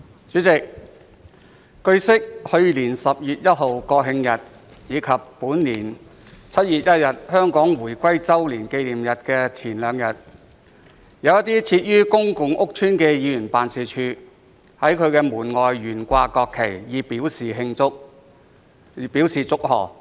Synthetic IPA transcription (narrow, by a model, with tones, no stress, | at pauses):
t͡ʃyː˨˥t͡sɪ˨k̚ | kɵ˧ɥsɪ˥k̚hɵ˧ɥliː˨˩nsɐ˨p̚jyː˨t̚jɐ˥t̚ɦo˨wkɔː˧ɦɪ˧ŋjɐ˨t̚ | jiː˨˧kʰɐ˨pːuː˨˥nliː˨˩n | t͡sʰɐ˥t̚jyː˨t̚jɐ˥t̚jɐ˨t̚hœː˥ŋkɔː˨˥ŋwuː˨˩jkʷɐ˥jt͡sɐ˥wliː˨˩nke˧jliː˨˩mjɐ˨t̚kɛː˧t͡sʰiː˨˩nlœː˨˧ŋjɐ˨t̚ | jɐ˨˧wjɐ˥t̪iː˥t͡sʰiː˧t̚jyː˥kʊ˥ŋkʊ˧ŋʔʊ˥k̚t͡ʃʰyː˥nkɛː˧jiː˨˧jyː˨˩npaː˨nsiː˨˩t͡ʃʰyː˧ | hɐ˨˥jkʰɵ˨˧ɥkɛː˧muː˨˩nŋɔː˨jɥyː˨˩nkʷaː˧kɔː˧kʰːe˨˩jjiː˨˧piː˨˥wsiː˨ɦɪ˧ŋt͡sʊ˥k̚ | piː˨˥wsiː˨t͡sʊ˥k̚ɦɔ̰ː˨˩